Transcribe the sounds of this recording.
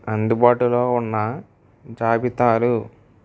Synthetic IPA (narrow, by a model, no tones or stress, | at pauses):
ɐnd̪ubaːʈulo̞ːunːɐ | d͡ʒaːbit̪aːɾu